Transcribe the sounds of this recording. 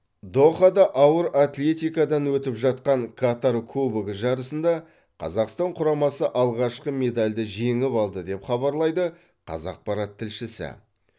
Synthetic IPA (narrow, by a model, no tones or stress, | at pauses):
d̪oχɑd̪ɑʔɑwəɾat̪lʲe̞t̪ijkad̪ɑnwɵt̪ɪpʒɑt̪̚qɑŋkʰat̪aɾkʲʰɵbɪɡʲɪʒɑɾəsənd̪ɑ | qʰɑ̰zɑqst̪ɑɴqʰʊɾɑmɑsəʔɑlˠʁɑʃqəme̞d̪alʲd̪ɪʒeŋɪpɑlˠd̪əd̪e̞pχɑβɑɾlˠɑjd̪ə | qʰɑ̰zɑ̰q̚pɑɾɑt̪ʰːɪlʃɪsɪ̰